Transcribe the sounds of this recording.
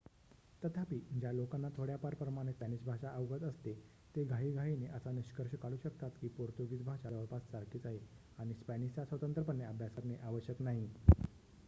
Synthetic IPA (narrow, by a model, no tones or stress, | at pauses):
t̪ət̪ʰapiːd͡ʑjalokanːat̪ʰoɽjapaɾpɾəmaɽ̃espænisbʱaʂaʔəʋɡət̪əst̪e | t̪eɡʱaɦiːɡʱaɦineʔəsaniɕkəɾɕəkaɭuːɕəkt̪at̪kiːpoɾt̪joɡit̪bʱaʂad̪əʋəɭpat̪saɾkiːt͡saɦe | aɽ̃ispænist͡ɕasʋət̪ənt̪ɾəpəɳːeəbʱjasəɾneʔaʋəɕjəknaɦi